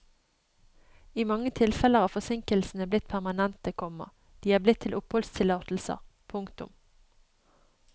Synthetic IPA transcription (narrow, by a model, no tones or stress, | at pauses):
iːmɑŋːət̪ʰɪlfɛləʁɑːʋfɔsɪŋkəlsn̩əblɪt̪̚pʰæʁmɑnɛnt̪əkʰɔmə̰ | d̪̥iːæːʁblɪt̪ʰːɪlʔʊphɔlst̪ʰɪlɑːt̪l̩sə̰ʁpʰʊŋkt̪ʊ̰m